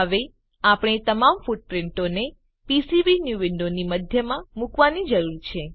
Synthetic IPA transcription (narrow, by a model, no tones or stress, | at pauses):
əʋe | apɳ̃et̪əmamfuʈ̚pɾɪɳʈone | pisiʋinjuʋɪɳɖoniməd̪ʱjəmãmukʋanid͡ʒəɾuɾt͡ʃʰe